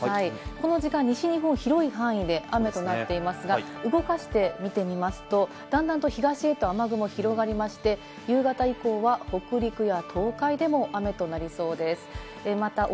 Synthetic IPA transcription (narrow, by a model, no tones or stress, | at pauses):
haiko̞no̞ʑikãɲ̟ːiɕiɲ̟iɦõ̞ɰ̃çiɾo̞iɦãɰ̃id̪e̞ʔame̞t̪o̞nat̪ːe̞imasɨɡaɯɡo̞kaɕi̥t̪e̞mʲit̪e̞mʲimasɨ̥t̪o̞ | d̪̥ãnd̪ãnt̪o̞çiɡaɕiet̪o̞amaɡɯ̟mo̞çiɾo̞ɡaɾʲimaɕi̥t̪e̞ | jɯːɡat̪aiko̞ːβaho̞kɯ̟ɾʲikɯ̟jat̪ʰo̞ːkaid̪e̞mo̞ʔame̞t̪o̞naɾʲiso̞ːd̪e̞sɨ̥ | emat̪a